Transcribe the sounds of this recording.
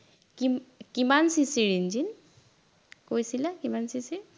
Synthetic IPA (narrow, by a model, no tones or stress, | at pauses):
kimkimansisiɹind͡ʒin | kojsilakimansisiɾ